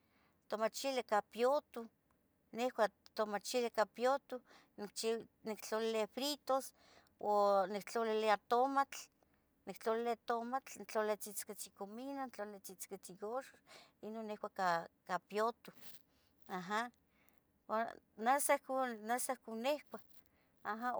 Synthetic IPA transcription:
t̪omat͡ʃilekapjot̪u | nehkʷat̪omat͡ʃilekapjot̪u | nikt͡ʃinikt͡ɬolilefɾit̪os | onik̚t͡ɬoliliat̪omat͡ɬ | nikt͡ɬolilet̪omat͡ɬnt͡ɬolet͡sit͡sket͡sikominant͡ɬolilet͡sit͡sket͡siɡoʃoinonːehkʷakakapjot̪u | aɦa | wa | nasakunasahkunehkʷa | aɦa

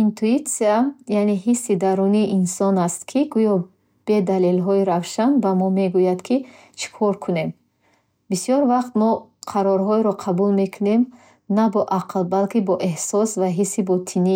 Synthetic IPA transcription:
int̪ʰuit̪siajaneɦisːid̪aɾuniːʔinsɔnast̪kʰiɡujɔ | b̥e̞d̪alelɦɔiɾavʃanbamɔme̞ɡujad̪kʰi | t͡ʃʰi̥kʰɔɾkʰune̞m | bisijɔɾvaχt̪mɔqʰaɾɔɾɦɔiɾɔqʰabulme̞kʰune̞m | nabɔʔaqʰlˠbalkibɔʔe̞hsɔsvaɦisːibɔt̪ʰini

